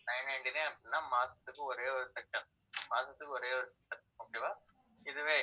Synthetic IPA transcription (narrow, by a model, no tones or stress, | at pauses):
nɐɪnɐɪɳɖineːɐpɪnnːaːmaːsɐ̥t̪ːɯkːɯ̃ɔɾeːɔɾɯsɛkʂɐn | maːsɐt̪ːɯkːɯɔɾeːɔɾɯsɛk̚ʂɐ̃n | oːkeːʋaː | ɪðɯʋeː